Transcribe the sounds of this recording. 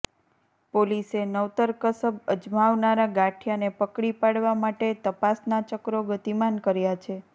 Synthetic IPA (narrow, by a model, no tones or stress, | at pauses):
polisenəʋt̪əɾkəsəbəd͡ʒmaʋnaɾaɡaʈʰjanepəkɽipaɽʋamaʈet̪əpasnat͡ʃəkɾoɡət̪imankəɾjat͡ʃʰe